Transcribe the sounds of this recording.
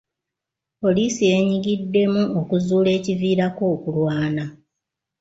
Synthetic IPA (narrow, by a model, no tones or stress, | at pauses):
po̞liːsije̞ɲiɡidːe̞muokuzuːle̞ːciviːɾakoːkulwaːna